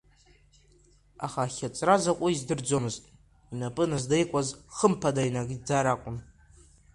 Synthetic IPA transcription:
a̰χaːχʲat͡sʼrazakʷʼʊizdɨrd͡zomɨztʼ | inapʼɨnɨzdejkʷʼazχəmpʰadainaɡd͡zaɾakʷʼʊm

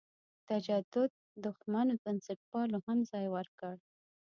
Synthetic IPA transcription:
t̪ad͡ʒad̪ʊd̪̚ːʊxmanob̪ɪnsɪʈ̚pɑlohamzɑjwəɾkəɽ

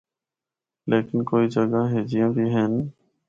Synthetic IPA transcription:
leːkɪnkoːiːd͡ʒəɡaɦeːd͡ʒɪjãːbʱiːɦɛːn

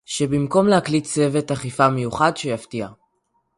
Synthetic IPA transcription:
ʃebimko̞mlehaklitt͡se̞ve̞taχifamejuχadʃejaftia

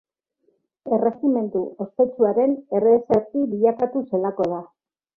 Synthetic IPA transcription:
e̞re̞xime̞nt̪ue̞spe̞t͡ʃuaɾe̞ne̞reseɾt̪iβiʎakat̪use̞lako̞ð̞a

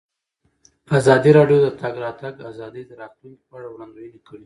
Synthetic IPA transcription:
azɑd̪iɾɑɖjod̪ət̪aɡɾɑt̪aɡazɑd̪əjd̪əɾɑt̪lunkipaɽawɽɑnd̪ujənekəɽi

